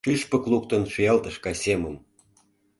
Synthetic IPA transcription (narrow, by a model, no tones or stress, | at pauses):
ʃyʃpə̆klˠukt̪ə̆nʃyjɑlt̪ə̆ʃkɑseməm